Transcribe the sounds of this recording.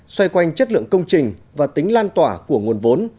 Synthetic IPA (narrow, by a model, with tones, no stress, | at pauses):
swa˧jkwa˧jŋ̟t͡ɕə˦˥t̚lɨ̰˧˨əŋkə˧wŋ͡mt͡ɕï˨˩ŋ̟vaː˨˩t̪i˨˦ŋ̟laː˧nt̪waː˧˩ku˧˩əŋu˨˩ənvo˨˦n